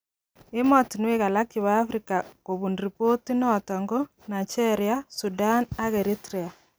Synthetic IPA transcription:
emɔtinweɣalakiβaːfɾikakoβunɾipotinɔtɔŋɡo | nat͡ʃeɾiasudanaɣeɾitɾea

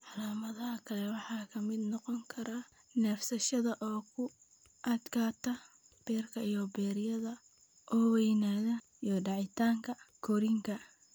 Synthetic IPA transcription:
ʕɑlaːmɐðɐɦɐkʰɐlɛwɑħɑːkʰɐmɪd̪nɔqɔŋkʰɐɾa | nɛːfsɐʃɐðɐʔɔːkʰʊ | ʔɐd̪kʰaːt̪ʰɐ | b̥ɛːrkʰɐijɔbɛːɾjɐðɐ | ʔɔːwɛjnaːðɐ | ijɔɖɑʕɪt̪ʰaːŋkʰɐkʰɔɾɪŋkʰɐ

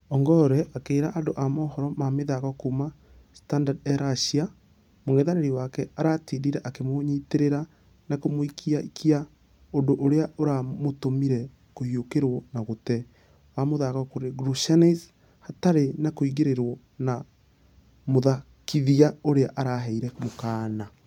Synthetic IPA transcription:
ɔŋɡɔɾɛʔakeːɾaʔandoʔamɔːhɔɾɔmameðaɣɔkuma | standadɛɾaʃia | moŋɛðaɾeɾiwakɛaɾatiːdiɾɛʔakemoɲiteɾeɾa | nakomoikʰiaikʰia | ondoʔoɾeaoɾamotomiɾɛ | kohiokeɾwɔnaɣotɛ | wamoðaɣɔkoɾeɡɾuʃaniz | hataɾenakoiɣeɾeɾwɔ | na | moða | kiðiaoɾeaʔaɾaɦɛiɾɛmokaːna

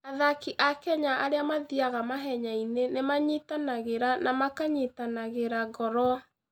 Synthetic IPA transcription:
aðakiʔakɛɲaʔaɾeamaðiaɣamaɦɛɲainenemaɲitanaɣeɾanamakaɲitanaɣeɾaɣɔɾɔ

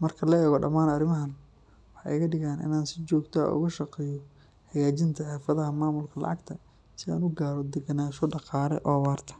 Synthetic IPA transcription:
mɐrkʰɐlɐɛːɣɔɖɐmaːnɐɾɪmɐɦɐn | wɑħɛ̰jɣɐɖɪɣaːnɪ̰naːnsɪt͡ʃɔːɡt̪ʰɐ̰ːʔʊ̰ɣɐʃɐqɛːjɔ | ħɑjaːt͡ʃɪnt̪ʰɐħɛːfɐðɐɦɐmaːmʊlkʰɐlɑ̰ʕɑɡt̪ʰɐ | sɪa̰ːnʊɡaːɾɔd̪ɛɡɐnaːʃɔɖɑqɑːɾɛ̰ʔɔːwaːrt̪ʰɐ̥

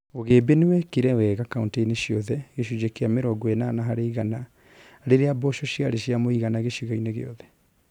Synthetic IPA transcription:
oɣeːbenewɛkeɾɛwɛɣakaunteineɕjɔðɛɣeʃud͡ʑekeameɾɔɡɔenaːnaɦaɾeiɣana | ɾeɾeabɔʃɔɕjaɾeɕjamoiɣanaɣeɕiɣaineɣḛɔðɛ

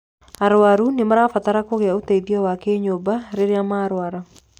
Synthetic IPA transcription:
aɾwaɾunɪmaɾafat̪aɾakoɣeaoteiðiɔwakeɲobaɾeɾeamaɾwaɾa

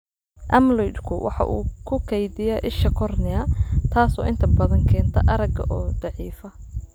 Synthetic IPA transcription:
ʔɐmlɔjdkʰʊwʔɑ̰ħɑ̰ʔuːkʰʊkʰɛjðɪjɐʔɪʃɐkʰɔrnɪɐt̪ʰaːsɔ̰ːʔɪnt̪ʰɐbɐðɐŋkʰɛːnt̪ʰɐ̰ʔɐɾɐɡɐ̰ʔɔːd̪̥ɑʕiːfɐ

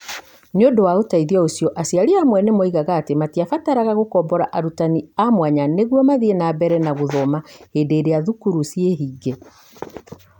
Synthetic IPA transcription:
neodowaotaiðiaosijɔʔasiaɾiamwɛnemɔiɣaɣaːtematiafataɾaɣaɣokɔmbɔɾaʔaɾutaniamwaɲaneɣwɔmaðienabɛɾɛnaɣoðɔmaheːdeːɾeaðukuɾusieɦiːɡe

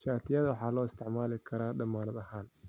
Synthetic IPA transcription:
t͡ʃaːt̪ʰɪjɐðɐwɑħɑːlɔːɪst̪ʰɪʕmaːlɪkʰɐɾaːɖɐmaːnɐd̪ɐhaːn

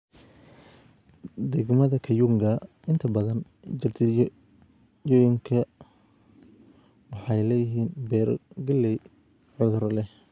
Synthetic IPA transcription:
d̪ɛɡmɐðɐkʰɐjuŋɡɐ | ɪnt̪ʰɐbɐðɐn | d͡ʒɪrt̪ʰɪ | jɔːjɪŋkʰɐ | wɑħɑjlɛːjɪɦiːnbɛːɾ̰ɡɐlːɛj | ʕʊðʊɾɐlɛh

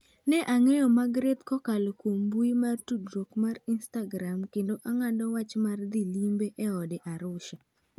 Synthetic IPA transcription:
nɛʔaŋɛjɔmaɡɾet̪kɔkalokwombuimartudɾokmarinstaɡɾamkendoʔaŋadɔwat͡ʃmard̪ilimbeʔɛɔdɪʔaɾʊʃa

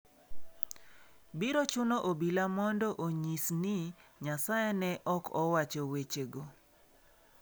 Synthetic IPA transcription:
biɾot͡ʃʊnoʔobilamɔndɔʔoɲisniɲasajenɛʔɔkʰɔwat͡ʃowet͡ʃeɡo

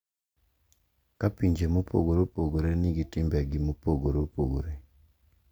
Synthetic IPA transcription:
kapiɲd͡ʒemupo̰ɡoɾopoɡoɾeniɡitimbaɡimupoɡoɾopoɡoɾe

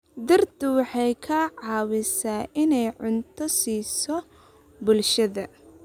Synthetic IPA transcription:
d̪ɐrd̪ʊwɑħɑjkʰɐʕɑːwɪsaːʔɪnɛjʕʊnt̪ʰɔsiːsɔ | bʊlʃɐðɐ

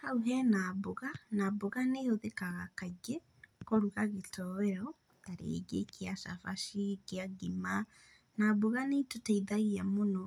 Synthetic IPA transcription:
hauɦɛnabuɣanaboɣaneoðekaɣakad͡ʒe | koɾuɣaɣetʰɔwɛɾɔ | aɾḛɡḛkiasa̰faʃikeaɡima | nabuɣanetotaiðaiamonɔ

